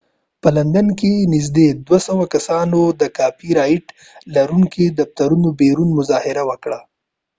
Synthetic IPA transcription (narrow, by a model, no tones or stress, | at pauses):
pəland̪ankenɪz̬d̪ed̪wasawakasɑnod̪əkɑfiɾɑjɪʈ | laɾuŋkid̪aft̪aɾunobeɾunmʊzɑhɪɾawəkɽa